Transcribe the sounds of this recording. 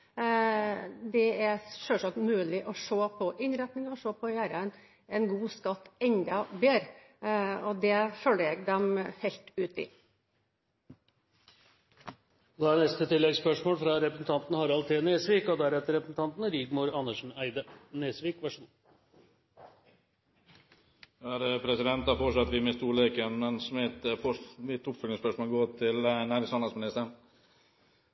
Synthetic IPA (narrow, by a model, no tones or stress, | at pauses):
d̪ɛæɾʂœːsɑkt̪mʉːlɪʔɔʂoːpʰɔʔɪnɾæt̪nɪŋɔʂoːpʰɔjæːɾən | ɛnɡuːskɑt̪ːɛɲd̪ɑbeːɾ | ɔd̪ɛføːləɾɛɡd̪ɛmhɛlt̪ʉːt̪ɪ̰ | d̪ɑæɾnɛst̪ət̪ʰɪlːɛɡspœʂmoːlfɾɑɾɛpɾəsn̩t̪ʰɑnt̪nəhɑɾɑlt̪ʰeːneːsʋiːkɔd̪æɾɛt̪əɾɛpɾəsn̩t̪ɑnt̪n̩ɾiːɡmuːɾɑnːəʂɳ̩æɪd̪əneːsʋiːkʋæʂuːn | ɑæɾpʰɾɛsɪd̪ɛnt̪ɑfɔʂɑt̪ːəʋɪmɛst̪uːɭekənmɛnsɔmɛt̪fɔʋɪt̪ːʊpfœlɪŋspœʂmoːlɡoːt̪ʰɪlnæːɾɪŋsɑnɑlsmɪnɪst̪əɾn